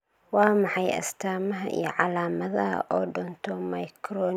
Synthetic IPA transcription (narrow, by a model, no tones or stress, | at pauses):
wɑːmɑħɑjɐ̰st̪ʰaːmɐɦɐʔḭjɞʕɑlaːmɐðɐɐ̰ʔɔːɖɔnt̪ʰɔmɐjkʰɾɔ